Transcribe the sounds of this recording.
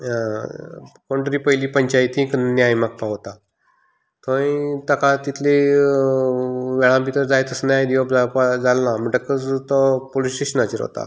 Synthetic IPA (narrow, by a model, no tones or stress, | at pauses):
ã | koɳʈəɾiːpəjliːpəɲt͡ɕajt̪ĩkənnjajmak̚paɦot̪a | t̪ʰoĩt̪əkat̪it̪ʰle | ʋɛɭãmpit̪əɾd͡zajt̪əsnjajd̪iʋobd͡zapad͡zalnam̤əɳʈəkət͡st̪ɔpolisʈeɕənat͡ɕəɾɦo̰t̪a̰